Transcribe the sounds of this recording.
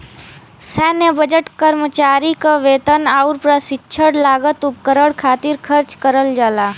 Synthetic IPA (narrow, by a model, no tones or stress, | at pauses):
sɛːnjəbəd͡ʒəʈkəɾmət͡ʃaːɾikaʋeːt̪ənaʊɾpɾasɪtːʃʰəɽlaːɡət̪ʊp̚kəɾəɽkʰaːt̪ɪɾkʰəɾt͡ʃkəɾəld͡ʒaːlaː